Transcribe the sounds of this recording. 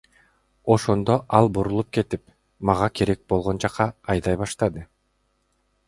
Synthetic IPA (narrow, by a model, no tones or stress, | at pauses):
o̞ʃo̞nd̪o̞ʔɑlˠbuɾulˠup̚ke̞t̪ip | mɑʁɑkʰeɾe̞k̚bo̞lˠʁond͡ʒɑqːɑːjd̪ɑjβɑʃt̪ɑd̪ɯ